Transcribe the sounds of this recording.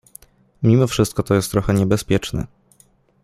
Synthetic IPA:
mʲimɔfʂɘst̪̚kɔt̪ɔjɛst̪ːɾɔxɛɲɛbɛspʲjɛt͡ʂnɛ̰

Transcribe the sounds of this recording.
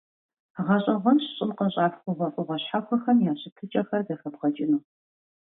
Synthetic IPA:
ʁɐɕʼɐʁʷɐnɕɕʼɪmqɐɕʼaːfxʷʊʁʷɐʔʷʼʊʁʷɐɕħaxʷɐxɐmjaːɕɪtʰɨt͡ʃʼɐxɐrdɐxɐpʁɐt͡ʃʼɪnuː

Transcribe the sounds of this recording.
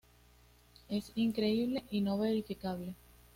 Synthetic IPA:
e̞siŋkɾe̞iβ̞le̞ʔino̞βe̞ɾifikaβ̞le̞

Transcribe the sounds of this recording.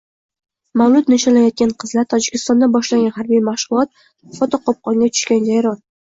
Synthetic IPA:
mawlˠʊdt̪nɪʃalajɒt̪̚kʲanqʰɨzlaɾt̪ʰɒd͡ʒɪkʲʰɪ̥st̪ɒnd̪abɒʃlaŋɡʲanhaɾbijmaχʃʊlˠɒt̪̚ | fɒt̪ʰɒqʰɒp̚qɒŋɡʲat̪ʰʊ̥ʃkʲand͡ʒajɾɒl

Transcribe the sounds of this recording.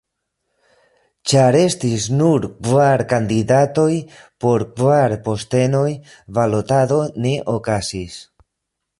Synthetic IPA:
t͡ʃaɾe̞stisnuɾkvaɾkandidato̞jpo̞ɾkvaɾpo̞ste̞no̞j | valotado̞ne̞ʔo̞kasis

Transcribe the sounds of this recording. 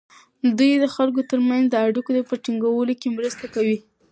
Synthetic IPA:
d̪ujd̪əxalkot̪əɾmanzd̪əaɽikod̪əpəʈiŋɡawəlokemɾəst̪akawi

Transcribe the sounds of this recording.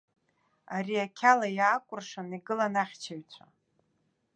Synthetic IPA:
aɾiakʲʰalajaːkʷʼʊrʂaniɡɨlanaχʲt͡ʃʰaɥt͡sʷʰa

